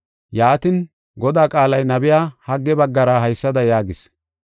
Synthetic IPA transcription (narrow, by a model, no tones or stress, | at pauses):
jaːt̪ɪn | ɡɔd̪aːkʼaːlɐjnɐbɪjaːhɐɡːɛbɐɡːɐɾaɦɐjsːɐd̪ɐjaːɡɪs